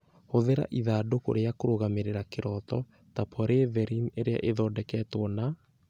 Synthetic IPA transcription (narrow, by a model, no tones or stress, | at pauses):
hoðeɾa̰ʔiðaːdoko̰ɾeakoɾoɣameɾeɾakeɾɔt̪ɔ | tapʰɔɾevɛɾineɾea̰ʔeðɔːdɛkɛtwɔna